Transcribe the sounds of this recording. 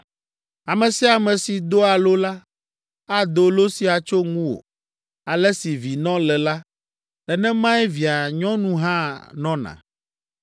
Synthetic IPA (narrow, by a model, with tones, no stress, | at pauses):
a˨mɛ̃˨si˦a˨mɛ̃˨si˨d̪o˦a˨lo˦la˦ | a˦d̪o˨lo˦si˦a˨t͡ʃo˦ŋũ˦wo̰˨ | a˨lɛ˦si˨vi˨nɔ̃˦lɛ˨la˦ | ɛ˨nɛ̃˦mã˦ɛ˦vi˨a˨ɲɔ̃˦nũ˦ɦã˦˨nɔ̃˦nã̰˨